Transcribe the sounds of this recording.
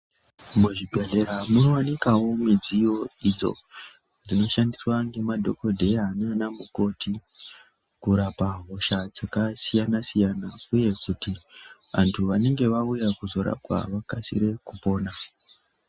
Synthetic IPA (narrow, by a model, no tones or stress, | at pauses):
muʐibʱeɮe̞ɾamuno̞wanikawo̞mid͡zijo̞id͡zo̞̰ | d͡zino̞ʃandiswaŋɡe̞madʱo̞ko̞dʱe̞ananamuko̞ti | kuɾapaɦo̞ʃad͡zakasijanasijanauje̞kutiʋa̰ntʰuʋane̞ŋɡe̞ʋaujakuzo̞ɾa̰pwa̰ʋakasḭɾe̞kupo̞ːna